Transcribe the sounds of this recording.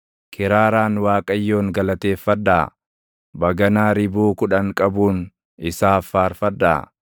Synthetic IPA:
kɪɾaːɾaːnwaːkʼɐjːo̞ːŋɡɐlɐt̪e̞ːfːɐd̪ːa̰ː | bɐɡɐnaːɾɪbuːkʊᶑɐŋkʼɐbuːn | ɪsaːfːaːɾfɐd̪ːa̰ː

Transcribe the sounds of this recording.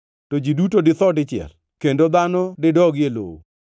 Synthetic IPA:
tod͡ʒidutodɪt̪ɔdɪt͡ʃɪɛ̰l | kendod̪anɔdɪdɔɡjelo̰wo̰

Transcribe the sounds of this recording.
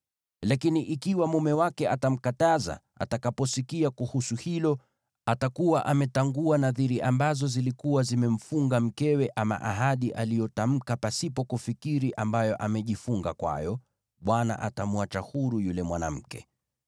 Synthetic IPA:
lakiniʔikiwamumɛwakɛʔatam̩kataza̰ | a̰takapɔsikiakuhusuhilɔ | atakuwaʔamɛtaŋɡuanaðiɾiʔambazɔzilikuwazimɛm̩fuŋɡam̩kɛwɛʔama̰ʔaɦaɗiʔalijɔtam̩kapasipɔkufikiɾiʔambajɔʔamɛʄifuŋɡakwa̰jɔ | ɓwana̰ʔatamwat͡ʃahuɾujulɛmwana̰m̩kɛ̰

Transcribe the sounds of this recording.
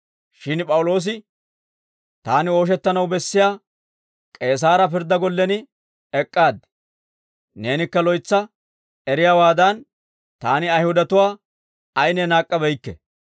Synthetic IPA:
ʃɪnpʼɐwʊlo̞ːs̬ɪ | t̪aːnɪo̞ːʃ̬ɛt̪ːɐnɐwbɛsːɪjaː | kʼe̞ːs̬aːɾɐpɪɾd̪ːɐɡɔlːɛnɪ | ɛkʼːaːd̪ɛ | ne̞ːnɪkːɐlɔjt͡sːɐ | ɛɾɪjaːwaːd̪ɐn | t̪aːnɪɐjhʊd̪ɐt̪ʊwaː | ɐjnɛnaːkʼːɐbɛjkːɛ

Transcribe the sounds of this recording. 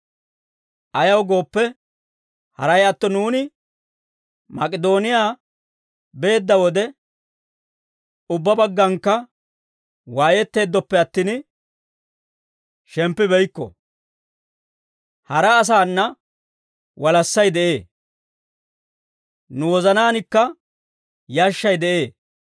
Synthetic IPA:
ʔɐjɐwɡo̞ːpːɛ | hɐ̰ɾɐjɐt̪ːɔnuːnɪ | mɐkʼɪd̪o̞ːnɪjaː | be̞ːd̪ːɐwɔd̪ɛ | ʊbːɐbɐɡːɐŋkːɐ | waːjɛt̪ːe̞ːd̪ːɔpːɛɐt̪ːiːn | ʃɛmpːɪbɛjkːɔ̰ | hɐɾɐːs̬aːnːɐ | wɐlɐsːɐjd̪ɛʔe̞ː | nʊwɔzɐnaːnɪkːɐ | jaːʃːɐjd̪ɛʔe̞ː

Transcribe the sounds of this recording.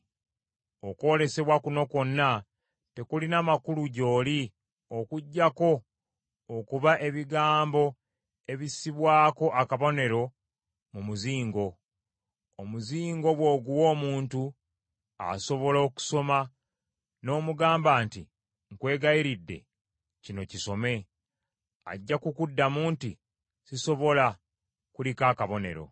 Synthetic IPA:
oko̞ːle̞se̞βwakuno̞ko̞nːa | te̞kulinamakuluɟo̞ːli | okuɟːako̞ː | kuβaʔe̞βiɡaːmbo̞ | e̞βisiβwaːko̞ʔakaβo̞ne̞ɾo̞ | mumuziːŋɡo̞ː | muziːŋɡo̞βwoːɡuwo̞ːmuːntu | a̰so̞βo̞lo̞ːku̥so̞ma | no̞ːmuɡaːmbaːnti | ŋkwe̞ːɡaiɾidːe̞̰ | cino̞ciso̞me̞ | a̰ɟːakukudːamuːnti | siso̞βo̞la | kulikaːkaβo̞ne̞̰ɾo̞̰

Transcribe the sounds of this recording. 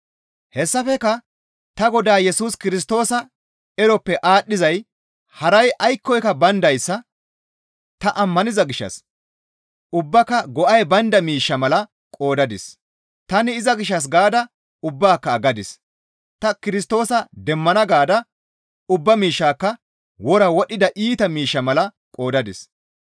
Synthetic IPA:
hɛsːɐfɛkːɐ | t̪ɐɡɔd̪aːjɛsuːskɪɾɪs̬t̪o̞ːsɐ | ɛɾɔpːɛʔaːɗːɪzɐj | hɐɾɐjʔɐjkːɔjkɐbɐnd̪ɐjsːɐ | t̪ɐʔɐmːɐnɪzɐɡɪʃːɐ̰s | ʊbːɐkːɐɡɔʔɐjbɐnd̪ɐmiːʃːɐmɐlɐ | kʼo̞ːd̪ɐd̪ɪs | t̪ɐnɪɪzɐɡɪʃ̬ːɐs̬ɡaːd̪ɐ | ʊbːaːkːɐːɡɐd̪ɪs | t̪ɐkɪɾɪst̪o̞ːsɐd̪ɛmːɐnɐɡaːd̪ɐ | ʊbːɐmiːʃːaːkːɐ | wɔɾɐwɔɗːɪd̪ɐʔiːt̪ɐmiːʃːɐmɐlɐ | kʼo̞ːd̪ɐd̪ɪs

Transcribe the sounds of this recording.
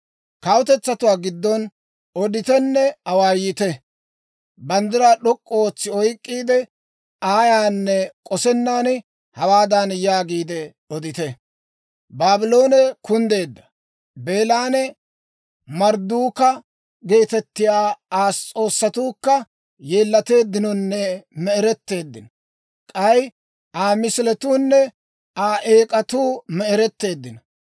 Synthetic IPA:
kɐwʊt̪ɛt͡sːɐt̪ʊwaːɡɪd̪ːɔn | ɔd̪ɪt̪ɛnːɛɐwaːjɪt̪ɛ | bɐnd̪ɪɾaɗɔkʼːɔoːt͡sːɪɔjkʼːiːd̪ɛ | aːjaːnːɛkʼɔsɛnːaːn | hɐwaːd̪ɐnjaːɡiːd̪ɛ | ɔd̪ɪt̪ɛ | baːbɪlo̞ːnɛkʊnd̪e̞ːd̪ːɐ̥ | be̞ːlaːnɛ | mɐɾd̪uːkɐ | ɡe̞ːt̪ɛt̪ːɪjaːaːst͡sʼo̞ːsːɐt̪uːkːɐ | jeːlːɐt̪e̞ːd̪ːɪnɔnːɛmɛɛɾɛt̪ːe̞ːd̪ːɪnɔ | kʼɐj | ʔaːmɪslɛt̪uːnːɛ | aːʔeːkʼɐt̪uːmɛɛɾɛt̪ːe̞ːd̪ːɪnɔ

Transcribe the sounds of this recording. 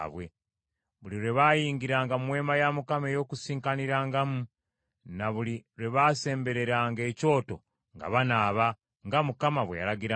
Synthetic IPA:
βwe | βuliɾe̞βaːjiːŋɡiɾaːŋɡammwe̞ːmajamukamejo̞ːkusiːŋkaniɾaːŋɡamu | naβuliɾe̞βaːse̞ːmbe̞ɾe̞ɾaːŋɡe̞ːco̞ːto̞̰ | ŋɡa̰βanaːβa | ŋɡamukamaβwḛja̰ɾaɡiɾa

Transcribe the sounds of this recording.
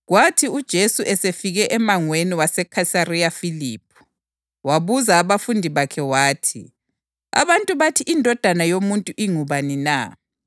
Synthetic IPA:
ɣwatʰiud̥ʒ̥ʱesuʔɛsefiɣɛʔɛmaŋweniwasɛkʰasarijafiliːpʰu̥ | waβuzaːβafundʱiβakʰɛwaːtʰḭ | a̰βantʼuβatʰiʔindʱɔd̥ʱanajomuntʼuʔiŋuβanina̰

